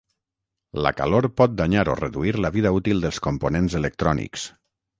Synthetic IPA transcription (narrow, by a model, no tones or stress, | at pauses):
lə̰ka̰loɾpɔt̪̚d̪aɲaɾo̰rəðuiɾləβiðaut̪ilˠd̪əlˠskomponenzələk̚t̪ɾɔnḭks